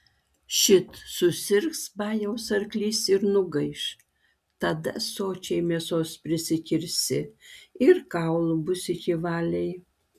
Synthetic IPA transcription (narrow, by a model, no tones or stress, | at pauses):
ʃʲɪt̪sʊsʲɪɾksbɑːjɛʊsɐɾʲklʲiːsɪɾnʊɡɐɪʃ | t̪ɐd̪ɐsoːt͡ʃʲɛɪmʲiɛsoːspʲɾʲɪsʲɪkʲɪɾʲsʲɪɪɾkɑˑʊlˠʊbʊsʲɪkʲɪʋɑːlʲɛɪj